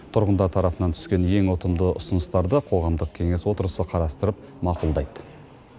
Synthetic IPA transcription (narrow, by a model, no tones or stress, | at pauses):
t̪ʰʊɾʁənd̪ɑɾt̪ʰɑɾɑpənɑnt̪ʰʏ̥skʲe̞nje̞ŋwot̪əmd̪əʔʊsənəst̪ɑɾd̪əqʰo̞ʁɑmd̪əq̚kʲʰe̞ŋe̞swo̞t̪əɾəsəqʰɑɾɑst̪əɾəp̚ | mɑqulˠd̪ɑjd̪ə